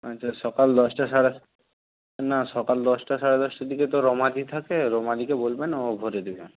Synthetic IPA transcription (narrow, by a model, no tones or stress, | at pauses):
atːʃʰaʃɔkald̪ɔʃʈaʃaɽe | naʃɔkald̪ɔsʈaʃaɽed̪ɔʃʈad̪iket̪oɾɔmad̪it̪ʰakeɾɔmad̪ikebolbenaobʱoɾed̪ibe